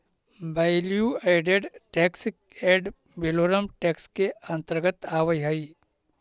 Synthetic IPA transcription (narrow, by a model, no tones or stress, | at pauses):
bajljueːɖeɖʈeːksɪk̚eːɖ | beloːɾəmʈɛːkskeɐ̃nt̪əɾɡət̪aːʋəjɦɐi